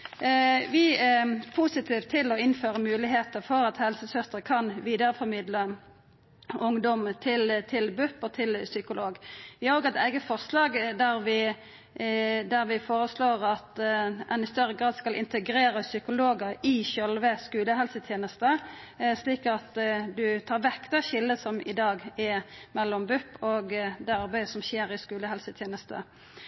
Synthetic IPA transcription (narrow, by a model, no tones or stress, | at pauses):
ʋɪæpʰusɪt̪ʰiːʋt̪ʰːɪlɔɪnføːʁəmʉːlɪɦeːt̪əfɔɾɑt̪hɛlsəsœst̪əkʰɑnʋiːd̪əʁfɔmɪd̪lə | ʊŋd̪ɔmt̪ʰɪlt̪ʰɪlbʉpɔt̪ʰɪlsʏkʊloːɡʋɪhɑʁoːɡɛt̪æɪɡəfɔʁslɑːɡd̪æɾʋɪ | d̪æɾʋɪfoːɾəsloːʁɑt̪ʔɛnɪst̪œɾəɡʁɑːd̪skɑlʔɪ̰nt̪əɡɾeːɾəsʏkʊloːɡəɾɪɕœlʋəskʉːləɦɛlsət̪ʰjeːnəst̪ə | sliːkɑt̪d̪ʉt̪ʰɑːɾʋɛkːt̪ɑɕɪld̪əsɔmɪd̪ɑːɡɛmɛlːɔmbʉpːɔɡd̪ɛɑɾbæɪəsɔmɕeːɾɪskʉːləɦɛlsət̪ʰjeːnəst̪ə̰